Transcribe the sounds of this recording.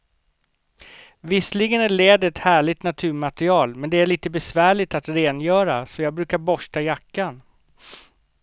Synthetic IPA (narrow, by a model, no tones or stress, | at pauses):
vɪslɪɡənæɭeːd̪əɾɛt̪hæːɭɪt̪nat̪ʰʉ̟ːɾmat̪ɾɪɑːlmɛnd̪ɛæɭiːt̪əbɛsvæːɭɪt̪at̪ɾeːnjœːɾasɔjɑːɡ̚bɾʉ̟ːkaɾbɔʂʈajakːan